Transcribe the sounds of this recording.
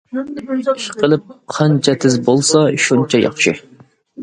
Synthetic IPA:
iʃqəlˠɨp̚qʰɑnt͡ʃʰɛt̪ʰɪzbolˠsɑʃunt͡ʃʰɛjɑ̰χʃi

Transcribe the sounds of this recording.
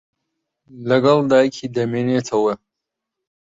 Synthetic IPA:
lɐɡɐld̪aːjkʰid̪ɐmeːneːt̪ʰɐwɐ

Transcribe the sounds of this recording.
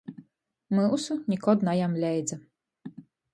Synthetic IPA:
mɨusunʲikɔd̪najamlʲɛjd͡z̪ʲɐ

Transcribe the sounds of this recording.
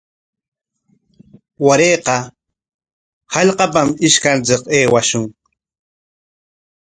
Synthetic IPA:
waɾeːqɑ | hɑʎqɑpamɪʃkant͡sɪqeːwaʃʊŋ

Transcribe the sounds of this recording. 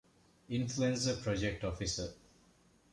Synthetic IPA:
ĩnfluẽnsəpɾɔd͡ʒek̚ʈɔfisə

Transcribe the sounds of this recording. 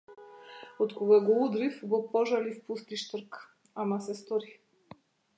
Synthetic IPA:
ot̪kɔɡaɡɔud̪ɾifɡɔpɔʒalifpust̪iʃt̪ɾk | amasɛst̪ɔɾi

